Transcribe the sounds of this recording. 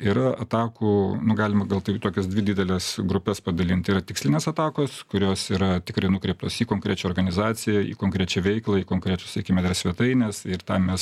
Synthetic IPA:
iɾɐɐt̪ɑːkuːnʊɡɑːlʲɪmɐɡɐlˠt̪ɐɪt̪oːkʲɛsd̪ʲʋʲɪdʲiːd̪ʲɛlʲɛsɡɾʊpʲɛspɐd̪ɐlʲint̪ʲiɾɐt̪ʲɪksʲlʲɪnʲeːsɐt̪ɑːkoːskʊɾʲoːsiːɾɐt̪ʲɪkrɐɪnʊkɾʲɛɪp̚t̪oːsiːkoːŋkɾʲæːt͡ʃʲɛoːrɡɐnʲɪzɑːt͡s̪ʲɪjɛḭːkoːŋkɾʲæːt͡ʃʲɛʋʲɛɪklˠɐiːkoːŋkɾʲæːt͡ʃʊsʲɛkʲɪmʲɛd̪ɐɾsʲʋʲiɛt̪ɐɪnʲesɪrt̪ɑmʲɛs

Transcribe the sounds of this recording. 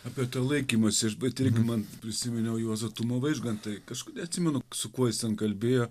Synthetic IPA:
ɑːpʲiɛt̪uːlˠɐɪkʲiːmoːsʲɪɐʃbʲɛt̪ɪɾʲɡʲɪmɐnpʲɾʲɪsʲɪmʲɪnʲɛʊjuɔzɐt̪uːmɐʋɐɪʒɡɐntt̪ɐɪkɐʃkʊnʲɛɐt̪ʲsʲɪmʲɛnʊsʊkuɔjɪst̪ʲɛnkɐlʲbʲeːjoː

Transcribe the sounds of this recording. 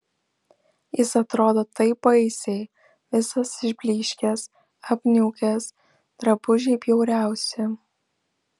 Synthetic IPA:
jɪsɐt̪ɾoːd̪oːt̪ɐɪpɐɪsʲɛɪ | ʋʲɪsɐsɪʒʲbʲlʲiːʃʲkʲɛs | ɐpʲnʲuːkʲɛs | t̪ɾɐbʊʒʲɛɪpʲjɛʊɾʲæˑʊsʲɪ

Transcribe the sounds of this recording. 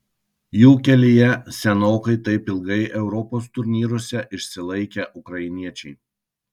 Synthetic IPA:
juːkʲɛlʲijɛsʲɛnoːkɐɪt̪ɐɪpɪlˠɡɐɪʔɛʊɾɔpoːst̪ʊɾʲnʲiːɾoːsʲɛʔɪʃʲsʲɪlˠɐɪkʲɛʔʊkɾɐɪnʲiɛt͡ʃʲɛɪ

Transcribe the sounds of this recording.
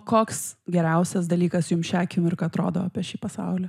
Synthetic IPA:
koːksɡʲɛɾʲɛʊsʲɛs̬d̪ɐlʲiːkɐsjʊmʃʲæːkʲɪmɪrkɐt̪ɾoːd̪oːɑːpʲiɛʃʲiːpɐsɑ̰ʊlʲɛ

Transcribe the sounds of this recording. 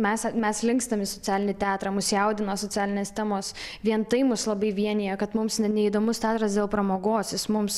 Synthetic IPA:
mʲɛsmʲɛslʲɪŋkst̪ɐmʲɪsot͡sʲæːlʲɪnʲɪt̪ʲæːt̪ɾɑːmʊsjɛʊd̪ʲɪnɐsoːt͡sʲæːlʲɪnʲeːst̪ʲæmoːsʋʲiɛnt̪ɐɪmʊslˠɐbɐɪʋʲiɛnʲɪjɛkɐt̪mʊmsnʲɛnʲɛid̪oːmʊst̪ʲæːt̪ɾɐsd̪ʲeːlˠpɾɐmoːɡoːsjɪsmʊms

